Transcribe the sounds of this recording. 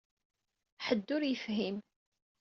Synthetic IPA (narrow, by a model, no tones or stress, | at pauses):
ħəd̪ːʊɾjəfɦim